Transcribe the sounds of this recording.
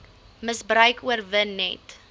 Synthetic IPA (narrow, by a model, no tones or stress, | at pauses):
məsbrœɥkuərvənːɛ̰t